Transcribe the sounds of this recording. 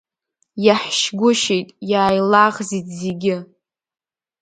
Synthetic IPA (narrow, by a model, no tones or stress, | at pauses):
jaħʃɡʷʊʃejtʼjaːjlaʁzitʰʼzeɡʲɪ